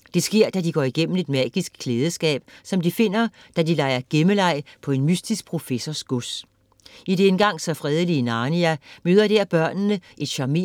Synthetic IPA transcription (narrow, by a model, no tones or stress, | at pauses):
d̥e̝sɡ̥e̝ɐ̰d̥æd̥iɡ̥ɒ̰ːiɡ̥em̰m̩e̝d̥mæːɡ̥isɡ̥ʰleːð̞ˠəsɡ̥ɛ̰ːb̥sɒ̽md̥ife̝n̰ɐ | d̥ædilɑ̈ɪ̰ɐɡ̥eməlɑ̈ɪ̰pʰɒ̽e̝nmysd̥isɡ̥̚pʰʁo̝fesɒsɡ̥os | ideenɡ̥ɑ̈ŋ̰sɒ̽fʁɛð̞ˠəlinɑːniæmøːðˠɐd̥eɐb̥ɶɐ̰nnəʔe̝d̥ɕɑ̈me̝